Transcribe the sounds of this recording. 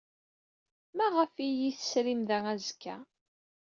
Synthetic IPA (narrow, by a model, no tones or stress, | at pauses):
mæʁəfijiθə̥sɾimðææzkːæ̰